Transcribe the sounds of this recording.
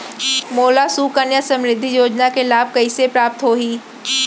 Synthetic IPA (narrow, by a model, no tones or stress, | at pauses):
moːlasuːkənjasɐ̃mɾɪd̪ʱːijoːd͡ʒnakelaːb̚kɐisepɾaːp̚t̪ɦoːɦiː